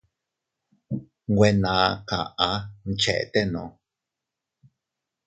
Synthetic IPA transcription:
ŋɡʷwe˧nã˨kã˨ʔa˨˧˦n̩˧t͡ʃe˨ʔḛ˨t̪e˦nõ̰˨

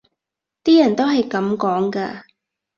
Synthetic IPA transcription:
t̪iː˥jɐ˨˩nt̪o˥wɦɐ˨jkɐ˨˥mkɔː˨˥ŋkaː˧

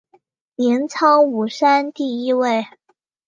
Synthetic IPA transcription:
ljɛ˧˥nt͡sʰɑ˥ŋu˨˩ʂa˥nt̪i˥˩i˥we˥˩ɪ

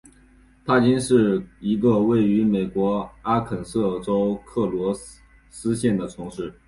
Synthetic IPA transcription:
t̪ʰa˥t͡ɕi˥nʂɻ̩˥˩i˧˥ɡə˧we˥˩ɪy˧˥me˨˩ɪkwɔ˧˥a˥kʰə˨˩nsɤ˥˩ʈ͡ʂo˥ʊkʰɤ˥˩lwɔ˧˥ | sɹ̩˥ɕjɛ˥˩nd̪ə˩ʈ͡ʂʰʊ˧˥ŋʂɻ̩˥˩

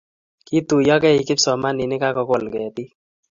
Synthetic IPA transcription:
ki˦tu˨jɔ˦kɛ˦i˨kɪ˦psɔ˨ma˦ni˨ne˦ka˦kɔ˧kɔ˨lkɛ˨ti˦

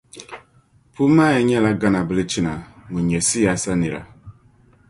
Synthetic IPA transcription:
pʰu˦ma˦ɛ˨ɲɛ˦˨la˦ɡa˦na˨bə˦le˦t͡ʃi˦na˨ŋu˨ɲɛ˨si˦ja˨sa˦ni˨ɾa̰˨

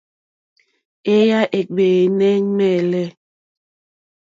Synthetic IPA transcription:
e˦ja˦ʔe˨ɡ͡beː˨nɛ˦ŋ˦mɛ˦˨lɛ˦

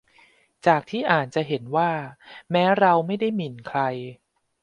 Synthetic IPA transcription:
t͡ɕaː˨˩k̚t̪ʰiː˥˩ʔaː˨˩n̚t͡ɕa˨˩ɦe˩˦nwaː˥˩mɛː˦˥ɾa˧wma˥˩jda˥˩jmi˨˩nkʰɾa˧j

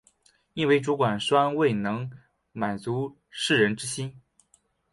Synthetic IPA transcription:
i˥nwe˥˩ɪʈ͡ʂu˧˥kwa˨˩nʂwa˥nwe˥˩ɪnɤ˧˥ŋ | ma˨˩nt͡su˧˥ | ʂɻ̩˥˩ɻə˧˥nʈ͡ʂɻ̩˥ɕi˥n

